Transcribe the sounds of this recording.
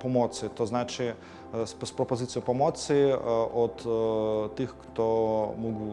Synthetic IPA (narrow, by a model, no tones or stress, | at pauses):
pɔmɔt̪sɨɪt̪ɔznat͡ʃɪ | spɾɔpɔzɪtt͡s̪ʲijʊpɔmɔt̪sɨjɪɔd̪t̪ɪxkt̪ɔmɔɡ